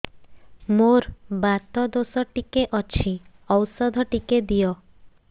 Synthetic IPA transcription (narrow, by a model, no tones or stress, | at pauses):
moɾbat̪ɔd̪osɔʈikeʔɔt͡ʃʰi | ɔwsɔd̪ʱɔʈiked̪ijɔ